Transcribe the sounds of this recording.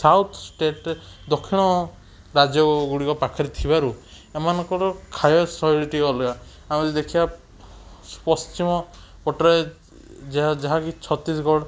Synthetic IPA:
sawt̪ʰsʈeʈed̪ɔkʰiɽ̃ɔ | ɾad͡ʒjɔɡuɽikɔpakʰaɾit̪ʰibaɾu | emanɔŋkɔɾɔkʰajɔsɔiɽiʈiɔlɔa | amet̪id̪ekʰiba | spɔst͡ʃimɔ | pɔʈɔɾe | d͡ʒad͡ʒaɦakit͡ʃʰɔt̪isɡɔɽ

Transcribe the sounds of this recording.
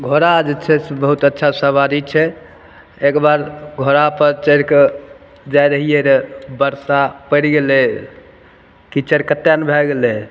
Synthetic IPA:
ɡʱoɾad͡ʒet͡ʃʰɛsbəɦut̪ətːʃʰasəβad̪it͡ʃʰɛ | ekbaɾɡʱoɾapəɾt͡ʃəɾke | d͡ʒajɾəɦijeɾebəɾsapəɾɡelɛ | kit͡ʃəɾkət̪ːjanbʱɛɡelɛ

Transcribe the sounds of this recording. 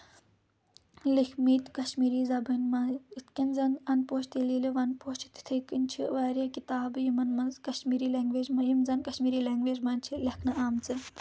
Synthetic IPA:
likʰmiːt̪kɐʃmiːɾiːzɐbɐnmɐit̪ʰkʲɐnzɐnɐnpoːʃt̪iliːliʋɐnpoːʃt͡ʃit̪i̥t̪ʰəkinʲt͡ʃʰiʋaːɾjakit̪aːbɨjimɐnmɐnzkɐʃmiːɾiːleːŋɡʋeːd͡ʒmɐjimzɐnkɐʃmiːɾiːleːŋɡʋeːd͡ʒmɐːnʲt͡ʃʰilɐkʰnɐʔaːmt͡sɨ

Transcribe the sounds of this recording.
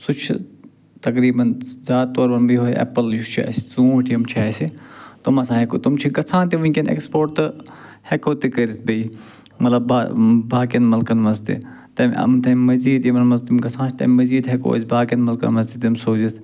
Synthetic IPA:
sut͡ʃʰ | t̪ɐkɾiːbɐnzaːt̪̚t̪oːɾbɐnbiɦoːʔɛ̰pəljut͡ʃʰɛ̰ːsi̥t͡sũːʈʰjɐmt͡ʃʰaːsit̪umɐsãːɦekot̪umt͡ʃʰiɡɐt͡sʰãːnt̪iʋɐ̃kenḛkspoːʈt̪ɨ | hekoːt̪ikɐɾit̪̚ʰbɐi | mɐt̪lɐbaːbaːkɐnmɐlkɐnmɐzt̪ḭ | t̪ɐmʲɐ̰mt̪ɐmimɐziːd̪jɐmnmɐzt̪imɡɐt͡sʰãːnt͡ʃʰt̪ɐ̰mimɐziːd̪ɦeko̰ːzʲbaːkɐnmɐlkɐ̰nmɐzdit̪ːimsoːzit̪ʰ

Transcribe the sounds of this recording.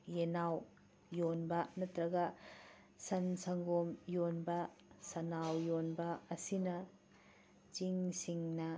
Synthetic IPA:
jenaw | jonbɐnɐt̪ɾɐɡɐ | sɐnsɐŋɡomjonbɐsɐnawjonbɐːsinɐ | t͡ʃiŋsiŋnɐ

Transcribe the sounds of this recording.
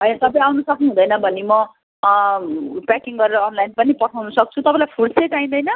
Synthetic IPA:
ɦʌjnat̪ʌp̬ʌj̃awnʌsʌknuɦũd̪ʌjnʌbʱʌnimʌ | pakiŋɡʌɾeɾʌːnlajnpʌnipʌʈʰawnʌsʌk̚t͡sʰut̪ʌpãlajpʰuɽseʈaĩd̪ʌjnʌ

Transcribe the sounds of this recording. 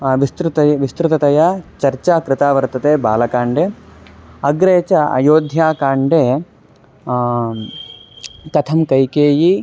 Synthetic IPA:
ʋist̪ɾut̪ɐjʋist̪ɾut̪ɐt̪ɐjɐt͡ʃɐɾt͡ʃaːkɾɪt̪aːʋɐɾt̪ɐt̪eːbaːlɐkaːɳɖeː | ɐɡɾeːt͡ʃɐɐ̰joːd̪ʱjaːkaːɳɖeː | k̪ɐt̪ʰɐmkɐjkeːji

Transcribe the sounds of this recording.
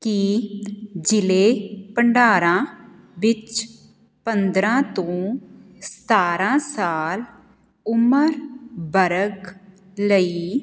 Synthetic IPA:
ki | d͡ʒɪleːpəɳɖaːɾãː | ʋɪt͡ʃ | pənd̪ɾãːt̪õː | st̪aːɾãːsaːl | ʊməɾbəɾək | ləiː

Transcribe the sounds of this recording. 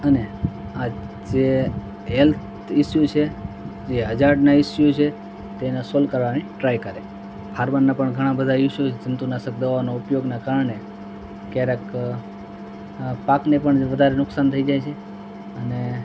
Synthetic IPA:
ənea | d͡ʒe | ɦelt̪ʰ | ɪsjot͡ʃʰed͡ʒeɦəd͡ʒaɖnaɪsjot͡ʃʰe | t̪enasolkəɾʋaniʈɾajkəɾe | pʰaɾməɾnapəɳɡʱəɽ̃ãbəd̪ʱaɪʃjoed͡ʒənt̪unasək̚d̪əʋaʋanoʊpjoɡnakaɾəɳe | kaɾək | paknepəɳʋəd̪ʱaɾenʊksant̪ʰəid͡ʒajt͡ʃʰe | əne

